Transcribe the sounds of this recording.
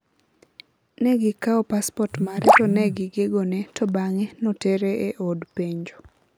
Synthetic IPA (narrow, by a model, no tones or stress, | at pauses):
nɛɡɪkaɔpaspɔtmaɾɛtɔnɛɡɪɡeɡonɛtɔbaŋɛnɔteɾeeʔodpeɲd͡ʒo